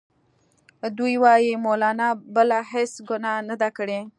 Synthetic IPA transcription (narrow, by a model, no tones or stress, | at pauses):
d̪ujwɑjimolɑnɑbəlahesɡʊnɑnəd̪akəɽe